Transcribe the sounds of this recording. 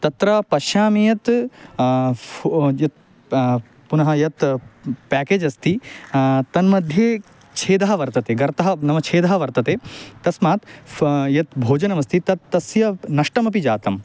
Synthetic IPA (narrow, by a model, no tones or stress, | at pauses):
t̪ɐt̪ɾɐpɐʃjaːmijɐt̪ | jɐt̪̚ | punɐɦɐjɐt̪pæːkeːd͡ʒɐst̪ʰi | t̪ɐnmɐd̪ʱjeː | t͡ʃʰeːd̪ɐɦɐʋɐɾt̪ɐt̪eːɡɐɾt̪ɐɦɐnɐmɐt͡ʃʰeːd̪ɐɦɐʋɐɾt̪ɐt̪eːt̪ɐsmaːt̪jɐt̪bʱoːd͡ʒɐnɐmɐst̪ʰit̪ɐt̪ːɐsjɐnɐʂʈɐmɐpid͡ʒaːt̪ɐm